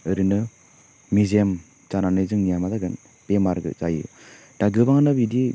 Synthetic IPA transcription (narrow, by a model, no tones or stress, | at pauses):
ɯɾinɯ | mizem | t͡ʃananɯjzɯŋnijamadaɡɯn | b̥emaɾɡɯ̰zajɯ̰ | d̥aɡɯbaŋanɯbidi